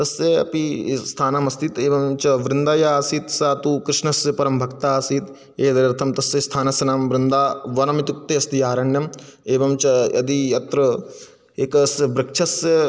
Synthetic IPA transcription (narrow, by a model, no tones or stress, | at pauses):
t̪ɐseɐ̰pist̪ʰaːnamɐst̪ʰit̪eːʋɐmt͡ʃɐʋɾɪnd̪aːjaːsiːt̪saːt̪ukɾɪʃnɐsɐpɐɾɐmbʱɐkt̪aːsiːt̪ | eːd̪ɐɾɾɐt̪ʰɐmt̪ɐsjest̪ʰaːnɐsɐnaːmʋɾɪnd̪aːʋɐnɐmit̪uk̚t̪eɐst̪ijaːɾɐɳjɐmeːʋɐmt͡ʃɐɐ̰d̪ijɐt̪ɾɐ | eːkɐsbɾɪkʃʰɐs